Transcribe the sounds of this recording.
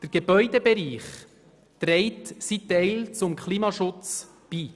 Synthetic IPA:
d̥əɾɡ̥ebœʏdəbeɾiːχ | t̪ɾɛɪtsit̪ɛɪlt͡sʊmkχliːmɑʃʊt͡s | b̥iː

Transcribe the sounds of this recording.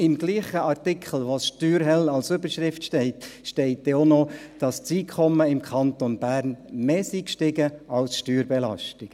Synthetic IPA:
ɪmɡliːχəɑɾtɪkʰχl̩ˠʋosʃtyːɾɦɛlɑlsʏbəɾʃɾɪftʃtɛɪt̪ʃtɛɪt̚dɛonɔd̥ɑst͡siːkʰɔmːəɪmkʰɑnt̪onb̥æːɾnmeːsikʃtɪɡəʔɑlsʃtyːɾbɛlɑ̰ʃtɪk

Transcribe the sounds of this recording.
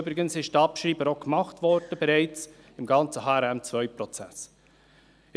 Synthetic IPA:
ʏbɾɪɡənsɪʃtɑpʃɾiːbəɾokmɑχtʋɔɾd̥əbɛɾɛɪt͡s | ɪmɡɑnt͡səɦɑːɛɾɛmt͡svœʏpɾɔt͡sæs

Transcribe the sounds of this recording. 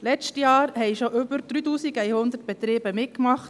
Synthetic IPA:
lɛt͡ʃtjɑːɾhɛɪʃoʔʏbəɾd̥̪ɾyːtuːsiɡɛɪhʊnd̪əɾt̚b̥ɛt̪ɾiːbəmɪtkmɑχt

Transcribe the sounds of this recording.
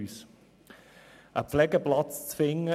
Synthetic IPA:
yːs | ʔəpflɛɡəplɑt͡st͡sfɪŋə

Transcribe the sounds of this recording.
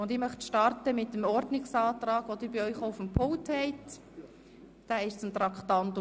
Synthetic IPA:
ʊnd̪ɪːɾmœχt̪ʃtɑɾtəmɪt̪ːəmɔɾdnɪksɑːt̪rɑːɡ̥ʋod̪ɪːbiœʏχoufəmpʰolthɛɪt | d̥æːɪʃt͡sʊmt̪ɾɑkχt̪ɑnt̪

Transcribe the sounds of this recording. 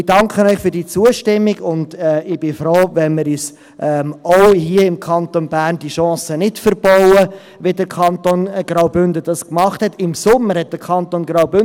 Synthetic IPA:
ɪd̥ɑŋkχənœʏχfyɾdiːt͡suəʃtɪmːiɡʊnd̥ɛɪb̥ɪfɾoːvɛnmɪɾyːs | ʔɛmoʊhiəɪmkʰɑnt̪onbæːrnd̥iʃɔ̃ːsənɪtfəɾb̥ɔʊə | ʋedəɾkʰɑnt̪onɡ̥rɑʊbʏndəd̥ɑskmɑχthɛtɪmsʊmːəɾhɛt̚d̥əɾkʰɑnt̪onɡɾɑʊbʏn

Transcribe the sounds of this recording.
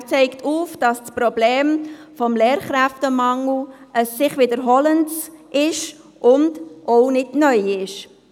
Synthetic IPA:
t͡sɛɪktʰuːfd̥ɑssprɔbleːm | fɔmleːɾχɾæftəmɑŋl̩ | ʔəsːɪχʋɪdəɾɦɔləntsʔɪʃ | ʔʊndʔoʊnɪdnœʏɪʃ

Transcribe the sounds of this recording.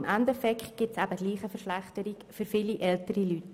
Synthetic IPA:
mʔændɛfɛkχtɡ̥ɪtsæbəd̥liːχəfəɾʃlæχtəɾikfʏɾfiliʔɛltəɾilyt

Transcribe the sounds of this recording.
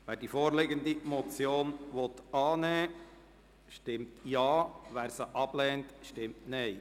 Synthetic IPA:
ʋæːɾdifoːɾlɪɡənd̪imɔt͡sjoːnʋɔt̪ɑːnɛː | ʃtɪmtjɑːʋæːɾsəʔɑb̥lɛːntʃtɪmtnɛɪ

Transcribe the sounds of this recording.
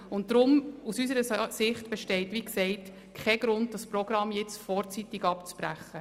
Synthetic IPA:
ʊntdɾʊmusysəɾəsɪχtb̥ɛʃtɛɪtʋiksɛɪt | kʰɛɡɾʊnd̚dɑspɾɔɡɾɑmjɛt͡sfɔːɾt͡sitɪɡɑpt͡spɾæ̰χə

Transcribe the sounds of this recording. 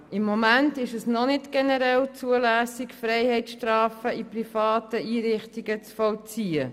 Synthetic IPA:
ɪmːɔmæntɪʃəsnɔnɪtɡ̥ɛnəɾɛlt͡suəlæːsɪkfrɛɪjhɛɪtʃtrɑːfəiprifɑːtəiːɾɪχtiɡət͡sfɔlt͡siə

